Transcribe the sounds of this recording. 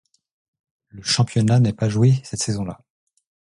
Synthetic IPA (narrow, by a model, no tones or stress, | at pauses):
ləʃɑ̃pjɔnanɛpaʒwesɛt̪sezɔ̃la